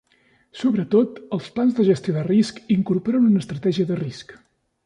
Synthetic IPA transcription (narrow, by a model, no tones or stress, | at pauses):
soβɾət̪ot̪əlˠsplanzðəʒəst̪ioðəriskiŋkuɾpoɾənunəst̪ɾət̪ɛʒiəðərisk